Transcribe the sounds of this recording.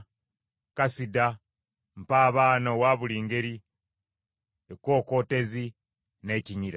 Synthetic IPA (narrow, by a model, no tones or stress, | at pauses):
kasida | m̩paːβaːnowaːβuliːŋɡe̞ɾi | eko̞ːko̞ːte̞zi | ne̞ciɲiɾa